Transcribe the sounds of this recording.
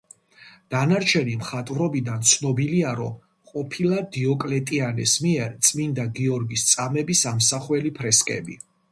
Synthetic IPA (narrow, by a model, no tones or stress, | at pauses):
d̪̥anaɾt͡ʃʰɛnimχat̪ʼvɾɔbid̪ant̪sʰnɔbiliaɾɔ | qʼɔpʰilˠad̪iɔkʼlɛt̪ʼianɛ̰smiɛɾt̪sʼmind̪aɡiɔɾɡist̪sʼamɛbisamsaχwɛlipʰɾɛskʼɛ̰bḭ